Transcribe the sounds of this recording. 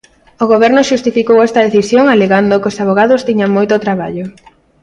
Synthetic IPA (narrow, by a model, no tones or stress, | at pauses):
oɣoβɛɾnʊʃust̪ifikowɛst̪ɐðeθisjoŋaleɣand̪okosaβ̞oɣ̞aðʊst̪iɲaŋmojt̪ot̪ɾaβaʎo